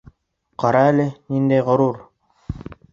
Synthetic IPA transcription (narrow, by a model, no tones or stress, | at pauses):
qɑɾɑælɘnind̪æjʁŏɾuɾ